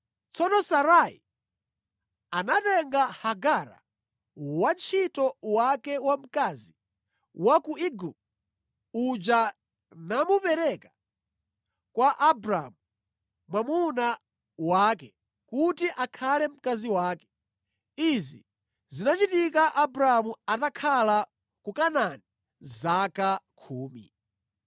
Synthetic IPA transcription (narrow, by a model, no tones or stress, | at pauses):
t͡sɔnɔsaɾaḭ | anatɛŋɡahaɡaɾa̰ | want͡ʃʰitɔwakɛwam̩kazi | wakuiɡu | ud͡ʒa | namupɛɾɛkḁ | kwaʔabɾamu | mwamuna | waːkɛ | kutiʔakʰalɛm̩kaziwaːkɛ̥ | izḭ | zinat͡ʃitikaʔabɾamuatakʰala | kukanani | zakakʰuːmḭ